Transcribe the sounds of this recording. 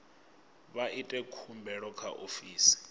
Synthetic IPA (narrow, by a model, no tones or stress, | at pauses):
βaʔitʼɛkʰumbʱɛɺɔkʰaʔofiːsi̥